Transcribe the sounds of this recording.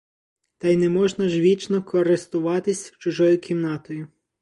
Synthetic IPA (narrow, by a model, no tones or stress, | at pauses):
t̪ɑjnɛmɔʒnɐʒʋʲit͡ʃnɔkɔɐɾest̪ʊʋɑt̪ɪsʲwt͡ʃʊʒɔjʊkʲʰimnɑt̪ɔjʊ